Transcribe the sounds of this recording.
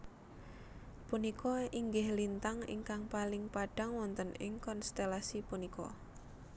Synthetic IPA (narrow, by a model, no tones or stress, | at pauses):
punikʰɔiŋɡɪhlint̪aŋɪ̰ŋkaŋpalɪŋpaɖ̥a̤ŋwɔnt̪ənɪ̰ŋkɔnst̪elasipunikɔ̰